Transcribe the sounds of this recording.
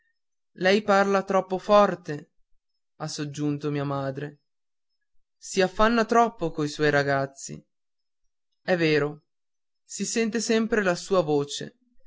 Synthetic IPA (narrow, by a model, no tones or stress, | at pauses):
lɛjparlat̪ɾɔpːofɔrt̪e | asːod͡ʒːunt̪omiːamaːd̪ɾe | siafːanːat̪ɾɔpːokoiswɔjɾaɡat̪sːḭ | ɛvːeːɾo | sisɛnt̪̬esɛmpɾelasuːavoːt͡ʃḛ